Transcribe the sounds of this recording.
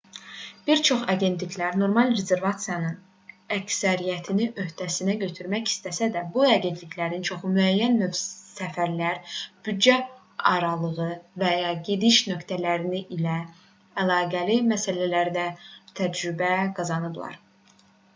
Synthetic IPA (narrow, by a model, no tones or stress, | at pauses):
b̥iɾt͡ʃʰo̞χɑɟe̞nt̪ʰlicʰlæɾno̞ɾmɑlˠɾe̞ze̞ɾvɑt̪sijɑnɯn | æcsæɾijæt̪ʰiniʔø̞hd̪ʰæsinæɟø̞t̪ʰyɾmæçi̥st̪æsæd̪æbuɑɟe̞nt̪ʰlicʰlæɾint͡ʃʰo̞χumyæjːænːøfsæfæɾlæɾb̥yd̪d͡ʒæ | ɑɾɑlˠɯʁɯvæjɑɟe̞d̪iʃnø̞kt̪ʰælæɾiniʔilæː | lˠɑːɡælimæsælælæɾd̪æt̪ʰæd͡ʒɾybæɡɑzɑnɯblˠɑ̰ɾ